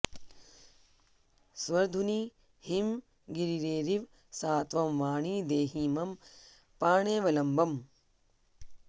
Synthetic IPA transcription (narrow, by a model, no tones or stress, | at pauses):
sʋɐɾd̪ʱuni | him | ɡiɾiɾeːɾiʋ | saːt̪ʋɐmʋaːɳiːd̪eːɦiːmɐm | paːɳeːʋɐlɐmbɐm